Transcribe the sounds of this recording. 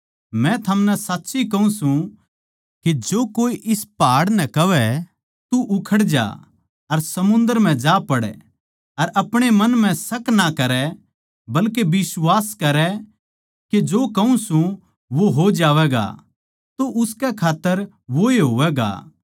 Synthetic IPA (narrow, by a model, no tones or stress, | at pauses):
mɛ̃t̪ʰɐmnɛsaːtːʃikɐũsũ | ked͡ʒoːkoːiʔɪspaːɽnɛkɐʋɛ | t̪uʔʊkʰəɽd͡ʒa̰ː | ɐɾsɐmʊ̃nd̪əɾm̤ɛ̃d͡ʒaːpɐɽɛ̰ | ɐɾʔɐpɽ̃emɐnm̤ɛ̃sɐknakɐɾɛ | bɐlkebɪswaːskɐɾɛ | ked͡ʒoːkɐũsũ | ʋoɦod͡ʒaːʋɛɡa̰ | t̪oʔʊskɛkʰaːt̪ːəɾ | ʋoeɦoːʋɛːɡa̰ː